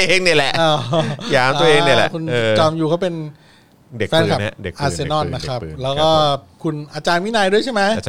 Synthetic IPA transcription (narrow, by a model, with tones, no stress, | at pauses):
eː˧ŋni˥˩lɛ˨˩ʔaː˧˩˧jaː˨˦mt̪ːɐ˧ʔeː˧ŋ˥ni˥˩lɛ̰˨˩kʰu˧nː˧t͡ɕɔː˧mjuː˨˩kʰa˥˩wpe˧n | de˨fɛː˦˥nka˨˩˦de˨˩ʔaː˧sse˧nɔ˥˩nːa˦˥kʰɾa˦˥˩lɛː˦˥wkkɔː˥˩kʰu˧nʔaː˧t͡ɕaː˧nmi˦˥˨naː˧jdu˥˩ət͡ɕʰa˥˩jma˦˥j